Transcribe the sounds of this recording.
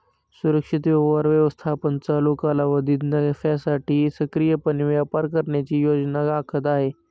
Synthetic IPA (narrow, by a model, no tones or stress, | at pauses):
suɾəkʂit̪ʋjəʋaɾʋjəʋəst̪ʰapənt͡salokalaʋəd̪it̪nəɡfasaʈʰiːsəkɾijəpənʋjapaɾkəɾɳjat͡ɕiːjod͡ʑnaɡaːkʰət̪̬aɦe